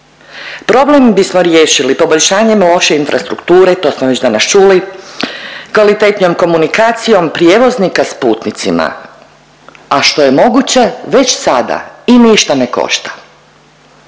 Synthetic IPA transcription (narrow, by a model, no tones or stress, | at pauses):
pɾo̞blembismoɾjeːʃilipo̞boʎʲʃaːɲemlˠo̞ʃe̞infɾʔast̪ɾukt̪uːɾe̞t̪o̞ːsmoʋe̞d͡ʑd̪anast͡ʃuːli | kʋalit̪et̪nʲo̞mko̞munikaːt̪sijo̞mpɾijeʋo̞znikaspuːt̪nit̪sima̰ | aʃt̪o̞je̞mo̞ɡut͡ɕe̞ʋe̞t͡ɕsad̪a̰iniʃt̪ane̞ko̰ʃt̪ḁ